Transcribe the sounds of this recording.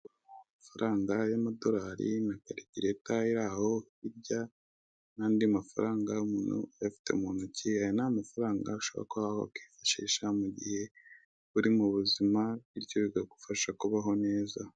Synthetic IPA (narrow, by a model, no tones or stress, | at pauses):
amafaɾʔaːŋɡajamado̞ɾaːɾḭnakaɾitiɾetaiɾaho | iɾɟa | naːndiamafaɾaːŋɡaumuːnhṵjafi̥te̞umuːnhuciajonamafaɾaːŋɡa̰uʃoβo̰ɾa̰koβahoakwifḁʃḭːʃamuɟihe̞ | βuɾimuβuzimaβiɾɟoɾiɡaɡufaʃakuβaɦo̞ne̞ːza